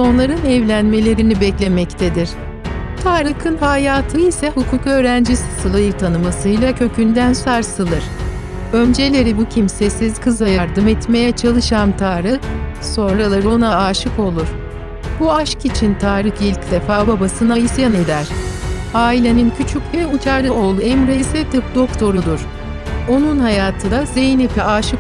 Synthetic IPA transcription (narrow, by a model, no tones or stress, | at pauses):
so̞nlˠaɾɯnɛvlʲænme̞lʲe̞ɾinibɛclʲe̞mɛct̪ʰed̪iɾ̥ | t̪ʰaːɾɯkʰɯnhajaːt̪ʰɯisɛhukʰuːkø̞ːɾænd͡ʒisɯ̥sɯlˠajɯɾt̪ʰanɯmasɯjlˠacʰø̞cʰynd̪ænsaɾsɯlˠɯɾ̥ | ø̞nd͡ʒe̞lʲe̞ɾibucʰimsesiz̥kʰɯzajaɾd̪ɯmɛt̪me̞jɛt͡ʃʰalˠɯʃamt̪ʰaːɾɯso̞nɾalˠaɾonaaːʃɯko̞lˠuɾ̥ | buaʃkit͡ʃʰint̪ʰaːɾɯxilʲcd̪efaːbabasɯnaisijaned̪æɾ̥haːilʲenincʰyt͡ʃʰycvɛut͡ʃʰaɾd̪ao̞lˠuɛmɾesɛt̪ʰɯp̚d̪o̞kt̪ʰo̞ɾud̪ˠuɾ̥ | o̞nunhajaːt̪ʰɯd̪ˠazejnipʰɛaːʃɯk